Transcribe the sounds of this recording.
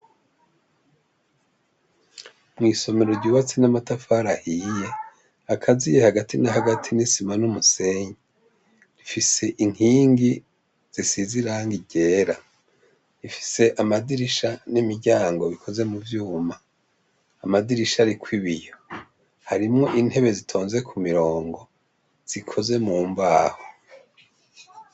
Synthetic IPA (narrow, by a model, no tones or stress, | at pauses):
mŋiːso̞me̞ɾo̞ɾɟuːβat͡sinamatafaɾahije̞ | akʰazijehaɡatʰinahaɡatʰinisimanumuse̞ɲe | ɾifise̞ʔiŋ̥hiːŋɡi | z̥isiziɾaŋɡiɟe̞ːɾa | ifi̥se̞ʔamadiɾiʃanimiɾɟaːŋɡo̞βikʰo̞ze̞muvjuːmaː | madiɾiʃaɾikʰwiβijo | haɾimŋo̞ʔinhe̞βe̞zitʰo̞ːnze̞kʰumiɾo̞ːŋɡo̞ | z̥ikʰo̞ze̞muːmbaːho